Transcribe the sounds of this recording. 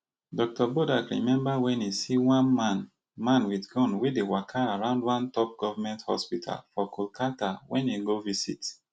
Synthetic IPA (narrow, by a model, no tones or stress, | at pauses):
dɔk̚tɔbodakɹḭmɛ̃mbawɛ̃nisiwãnman | mãnwiθɡɔ̃nwidewakʰaaɹãʊ̃ndwãntɔp̚ɡ̥ɔvamɛ̃nthɔ̰spitʰa̰lfɔkʰɔlkʰatawɛ̃niɡovisḭt